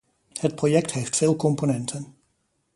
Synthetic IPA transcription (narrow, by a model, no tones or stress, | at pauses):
hət̚projɛktɦejftfɪːlˠkɔmponɛntʰən